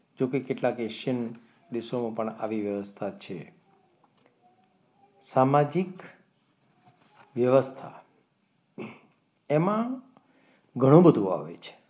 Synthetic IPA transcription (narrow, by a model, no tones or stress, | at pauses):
d͡ʒokekeʈlakeʃən | d̪iʃomãpəɳa̰ʋiʋjəʋəst̪ʰat͡ʃʰe | samad͡ʒik | ʋjəʋəst̪ʰa̰ | emã | ɡʱəɽ̃ũbəd̪ʱũa̰ʋḛt͡ʃʰe̥